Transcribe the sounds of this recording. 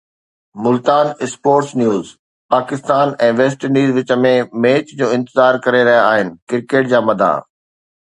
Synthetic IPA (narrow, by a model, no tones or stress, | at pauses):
mʊlt̪aːnɪspoːɾʈsnjuːz | paːkɪst̪aːnɛ̃ːʋeːs̬ʈəɾniːzʋɪt͡ɕə̆mẽmeːt͡ɕd͡ʑoːɪ̃nt̪ɪzaːɾkɐɾeɾɐɦijaaːɦɪnɪ̆kɪɾkeːʈ̚d͡ʑaːmɐd̪ʱa̰ː